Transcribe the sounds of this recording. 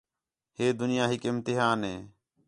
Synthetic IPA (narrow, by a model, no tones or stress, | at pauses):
heːd̪ʊnɪjaːɦɪkɪmt̪ɪɦaːnɦeː